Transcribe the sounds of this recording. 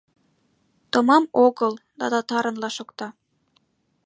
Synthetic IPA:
t̪omɑmoɣəld̪ɑ̰d̪ɑt̪ɑɾə̆nlɑʃokt̪ɑ

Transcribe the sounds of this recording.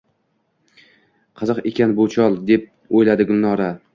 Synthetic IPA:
qʰɨzɨqekʲanbʊt͡ʃʰɒlˠd̪e̞p̚ | ojlad̪ɪɡʊlːɒɾa

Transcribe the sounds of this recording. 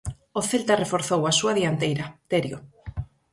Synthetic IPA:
oθelt̪arefoɾθowasuaðiant̪ejɾat̪eɾjo

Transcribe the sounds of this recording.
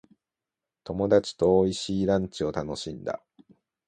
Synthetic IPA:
t̪o̞mo̞d̪at͡ɕi̥t̪o̞ːiɕiːɾãɲ̟t͡ɕio̞t̪ano̞ɕĩnd̪a̰

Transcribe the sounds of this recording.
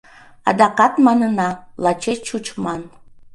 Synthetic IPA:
ɑ̰d̪ɑqɑt̪mɑnənɑlɑt͡ʃʰet͡ʃut͡ʃʰmɑn

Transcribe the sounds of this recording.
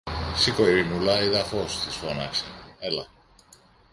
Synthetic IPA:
sikoiɾinulɐiðɐfost̪isfonɐkseelɐ

